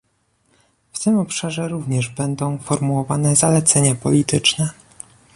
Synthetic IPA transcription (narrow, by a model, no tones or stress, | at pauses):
ft̪ɘmɔpʂaʐɛɾuvɲɛʐbɛnd̪ɔ̃w̃fɔɾmuwɔvanɛzalɛt̪sɛɲapɔlʲit̪ɘt͡ʂnɛ